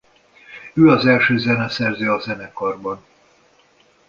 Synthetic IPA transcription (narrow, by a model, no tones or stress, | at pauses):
øːɒzɛlʃøːzɛnɛsɛrzɛɒzɛnɛkɒrbɒn